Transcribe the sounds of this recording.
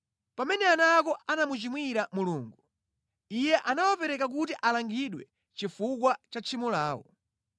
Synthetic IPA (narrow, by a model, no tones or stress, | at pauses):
pamɛnɛanakɔʔanamut͡ʃimwiɾamuluːŋɡu | ijɛʔanawapɛɾɛkak̬utiʔalaŋɡiɗwɛ | t͡ʃifuk̬wat͡ʃat͡ʃʰimulaːwɔ̰